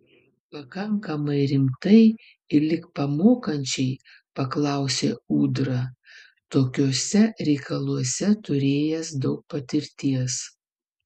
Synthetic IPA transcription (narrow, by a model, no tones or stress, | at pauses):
pɐkɐŋkɐmɐɪɾʲɪmt̪ɐɪ | ɪlʲɪkpɐmoːkɐnʲt͡ʃʲɛɪ | pɐklˠɑˑʊsʲeːuːd̪ɾɐ | t̪oːkʲoːsʲɛɾʲɛɪkɐlˠuɔsʲɛt̪ʊɾʲeːjɛsd̪ɒʊk̚pɐt̪ʲɪɾʲt̪ʲiɛs